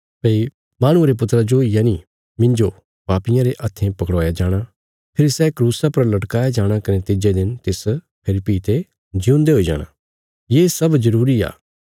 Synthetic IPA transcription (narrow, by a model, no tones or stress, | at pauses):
peːi | maːɽ̃ʊ̃aɾep̬ʊt̪ɾad͡ʒoijaːni | mɪ̃ɲd͡ʒo | baːpɪjãɾeʔɐt̪ʰːẽpɐkɽɔːjad͡ʒaːɽ̃a | pʰɪɾisɛːkɾuːsapɐɾlɐʈkaːjad͡ʒaːɽ̃akɐnet̪ɪd͡ʒed̪ɪnt̪ɪs | pʰɪlɪpːiːt̪e | d͡ʒɪũːnd̪eɦoːid͡ʒa̰ːɽ̃ã̰ː | jeːsɐbzɐɾuːɾia̰ː